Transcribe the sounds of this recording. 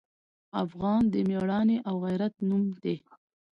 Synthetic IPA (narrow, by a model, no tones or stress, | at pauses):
afɣɑnd̪əmeɽɑneʔawɣajɾat̪̚numd̪e